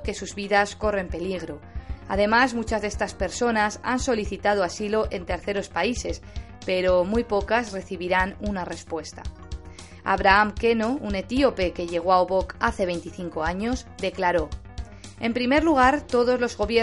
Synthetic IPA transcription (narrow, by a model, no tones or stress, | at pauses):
ke̞suzβiðasko̞re̞mpe̞liɣ̞ɾo̞ | a̰ð̞e̞mazmut͡ʃazðest̪aspe̞ɾso̞nasanso̞liθit̪að̞oasilo̞ʔe̞nt̪e̞ɾθe̞ɾo̞spaise̞s | pe̞ɾo̞mujpo̞kasre̞θiβiɾanunare̞spwe̞st̪a̰ | a̰βɾaamke̞noune̞t̪io̞pe̞ke̞ʝe̞ɣ̞oaoβo̞kaθe̞βe̞jnt̪iθiŋko̞aɲo̞sd̪e̞klaɾo | e̞mpɾime̞ɾluɣ̞aɾt̪o̞ð̞o̞zlo̞zɣo̞βje